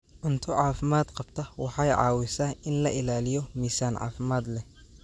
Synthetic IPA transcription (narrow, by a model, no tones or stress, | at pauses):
ʔʊnt̪ʰʊʕɑːfɪmaːd̪qɑb̥t̪ʰɐwɑħɑjʕɑ̰ːwɪsaːɪnlɐʔɪlaːlɪjɔmiːsaːnʕɑ̰ːfɪmaːd̪lɛ